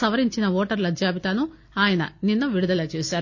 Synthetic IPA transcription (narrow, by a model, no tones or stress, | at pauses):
sɐʋɐɾiɲt͡ʃinɐʋɔːʈɐɾlɐd͡ʒjaːbit̪anu | aːjɐnɐ̰ninːɐʋiɽud̪ɐlɐːt͡ʃeːsaːɾu